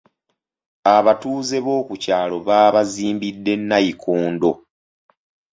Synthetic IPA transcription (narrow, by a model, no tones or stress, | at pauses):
aβatuːze̞βo̞ːkucaːlo̞βaːβaziːmbidːe̞nːajikʰuːndo̞